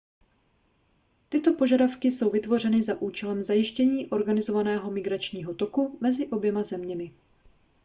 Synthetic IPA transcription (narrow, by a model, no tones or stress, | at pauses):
t̪ɪt̪o̞po̞ʒadafkɪso̞wvɪt̪vo̞rɛnɪzaʔuːt͡ʃɛlɛmzajɪʃcɛɲiːʔo̞ɾɡanɪzo̞vanɛːɦo̞mɪɡɾat͡ʃɲiːɦo̞t̪o̞kumɛzɪʔo̞bjɛmazɛmɲɛmɪ